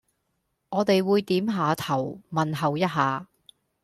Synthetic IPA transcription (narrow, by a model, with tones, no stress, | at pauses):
ŋɔː˨˧t̪e˨jwuː˨˧jt̪iː˨˥mɦaː˨˧t̪ʰɐ˨˩wmɐ˨nɦɐ˨wjɐ˥t̚ɦaː˨